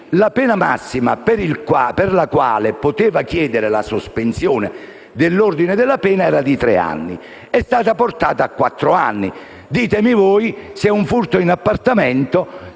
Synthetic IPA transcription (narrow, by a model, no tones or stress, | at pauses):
lapɛːnama̰sːima̰peɾilkwaperlakwa̰ːlepot̪eːvakjɛːd̪eɾelasospensjɔːne | d̪ɪlːord̪ined̪elːapɛːnaɛːɾad̪it̪ɾɛ̰a̰nːḭ | ɛst̪aːt̪aport̪aːt̪aːkːwat̪ːɾoa̰nːi | d̪iːt̪emivɔːjseuɱfurt̪oinapːart̪amɛnt̪o